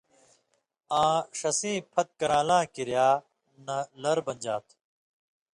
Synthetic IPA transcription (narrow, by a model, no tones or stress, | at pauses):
ãːʂɐsĩːpʰɐt̪̚kɐɾãːlãːkiɾjaː | nɐlɐɾbɐ̃nd͡ʑaːt̪ʰ